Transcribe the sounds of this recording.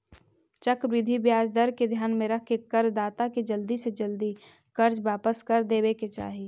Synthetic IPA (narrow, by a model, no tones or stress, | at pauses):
t͡ʃɐkʋɪd̪ʱibjaːd͡ʒd̪əɾked̪ʱjaːnmẽɾɐkʰkekɐɾd̪aːt̪aked͡ʒəld̪ised͡ʒəld̪i | kɐɾd͡ʒʋaːpəskɐɾd̪eːbeket͡ʃa̰ːɦi